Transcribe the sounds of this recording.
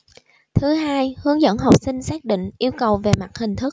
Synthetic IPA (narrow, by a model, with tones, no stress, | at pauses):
t̪ʰɨ˨˦ɦaː˧jhɨ˨˦əŋzə̰˧˥nɦa˨˩wk͡p̚sï˧ŋ̟saː˦˥k̚ɗḭ˧˨ŋ̟ʔi˧əwkə˨˩wve˨˩ma˨˩t̚hï˨˩ŋ̟t̪ʰɨ˦˥k̚